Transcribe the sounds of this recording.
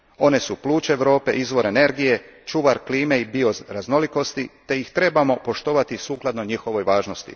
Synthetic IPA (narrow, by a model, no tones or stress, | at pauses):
o̞ne̞suplˠuːt͡ʃeːʋɾo̞ːpe̞̰ʔizʋo̞ɾe̞ne̞ɾɡije̞t͡ʃuʋaɾkliːmeibio̞zɾazno̞liko̞st̪it̪e̞ixt̪ɾe̞bamo̞po̞ʃt̪o̞ʋat̪isuːklˠad̪no̞ɲixo̞ʋo̞jʋaːʒnost̪ḭ